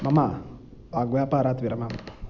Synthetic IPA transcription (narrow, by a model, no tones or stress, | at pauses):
mama | aɡujapaɾat̪biɾamama